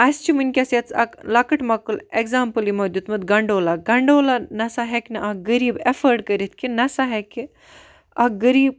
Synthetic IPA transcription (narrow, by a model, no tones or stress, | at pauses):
ɐst͡ʃʰimɨnʲkʲɐsjɐt͡sɐ̰klakɐʈmɐkɨleɡzaːmpɨlimɐd̪jut̪mɐd̪ɡɐɳɖoːlaɡɐɳɖoːlanɐsaɦeknɐʔɐɡɐɾiːbefəɾɖkəɾit̪ʰkinɐsaɦekʲi | ɐɡɐɾiːb